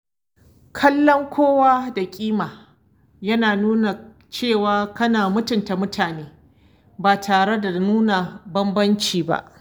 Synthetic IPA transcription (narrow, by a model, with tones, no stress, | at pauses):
kʰɐ˦lːɔ˦ŋkʷʰoː˦waː˦da˨kʲʼiː˦maː˨ | jɐ˦naː˨nuː˦na˨ | t͡ʃeː˦˨waː˦kɐ˦naː˨mʊ˦tʊ˨nta˨mʊ˦tʰaː˨neː˦ | baː˨tʰaː˨ɽe˦da˨nuː˦na˨bɐ˦mbɐ˦nt͡ʃiː˨ba̰˦ʔ